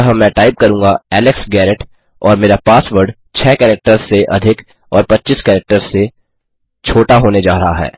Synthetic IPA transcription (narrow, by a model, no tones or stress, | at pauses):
ɐɦəmɛ̃ʈaːɪp̚kɐɾũːŋɡaɛːlɪksɡɛːɾɪʈ | ɔːɾmeːɾapaːsʋəɾɖ | t͡ʃʰɛːkɛːɾɛk̚ʈəɾseʔɐd̪ʱɪk | ɔːɾpɐtːʃiskɛːɾɛk̚ʈəɾze | t͡ʃʰoːʈaɦoːned͡ʒaːɾɐɦaɦɛ̰ː